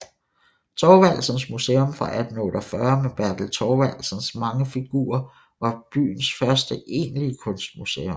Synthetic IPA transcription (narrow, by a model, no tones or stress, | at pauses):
t͡sʰɒːʋæl̰sənsmuseːɔ̽mfʁɑ̈ʔæd̥n̩ɔːɾ̥ɒfɶɐmeb̥æɐd̥l̩t͡sʰɒːʋæl̰sənsmɑ̈ŋəfiɡ̥ṵːɐ | ʋɑ̈b̥y̰ːn̩sfɶɐsd̥əʔe̝̰ːnliəkʰɔ̽nsd̥̚musḛːom